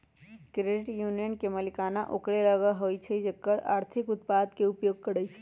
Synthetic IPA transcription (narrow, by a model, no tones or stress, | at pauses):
kɾeɖɪʈjuːnijənkeməlikaːnaʔokɽeɾəɡəɦoit͡ʃʰed͡ʒekːəɽaːɾt̪ʰɪkʊt̪̚paːd̪keupjoːɡ̚kəɽəjt͡ʃʰe̥